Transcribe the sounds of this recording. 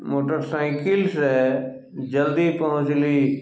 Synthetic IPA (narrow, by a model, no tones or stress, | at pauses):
moːʈəɾsaɪ̃kɪlsɛː | d͡ʒəld̪ipəɦʊ̃t͡ʃliː